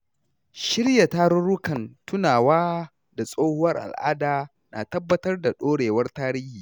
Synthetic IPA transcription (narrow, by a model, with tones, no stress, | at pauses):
ʃɪ˦ɽja˨taː˦ɾʊ˦ɽʊ˦kɐ˨ntʊ˦naː˨waː˦ | da˨sʼoː˦hʊ˦wɐ˦rʔa̰˨lʔa̰ː˦daː˨ | nʔa̰ː˨tɐ˦bːɐ˦tɐ˦rda˨ɗoː˦ɽeː˨wɐ˦rtaː˦ɾiː˦hiː˨